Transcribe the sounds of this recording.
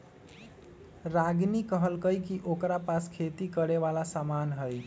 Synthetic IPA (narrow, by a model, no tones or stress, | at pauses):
ɾaɡnikəɦəlkəjkiʔokɾapaskʰet̪ikəɾeʋalasamanɦəj